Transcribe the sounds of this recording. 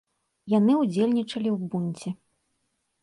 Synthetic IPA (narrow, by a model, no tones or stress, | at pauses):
janɨud͡zʲelʲnʲit͡ʂɐlʲiwbunʲt͡sʲɛ